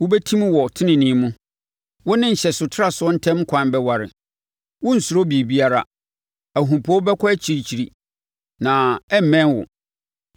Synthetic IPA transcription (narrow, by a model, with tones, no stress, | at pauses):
wʊ˦bɛ˦tʰĩ˦mwɔ˨tʰɪ̃˦nɪ̃˨nĩ˦mũ˦ | wʊ˦nɪ̃˦ɲ̩˨ɕɛ˨sʊ˨tʰɪ˦ɾa˨sʊ˦ɔ˦n̩˦tʰɛ̃˦m˦kʷʰã˨nbɛ˦wa˨ɾɪ̰˨ | wʊ̃˦n̩˨sʊ˨ɾo˦bi˨e˨bi˦a˦ɾa̰˨ | æ˨ɦũ˨pʰɔ˦bɛ˦kʰɔ˦æ˦t͡ɕʰi˨ɾi˦t͡ɕʰi˨ɾi˦ | nã˨ɛ˦m̩˨mɛ̃˦nwʊ̰˨